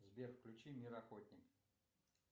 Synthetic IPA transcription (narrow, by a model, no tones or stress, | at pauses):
zʲbʲerfklʲʉt͡ɕimʲiɾɐxot̪ʲnʲɪk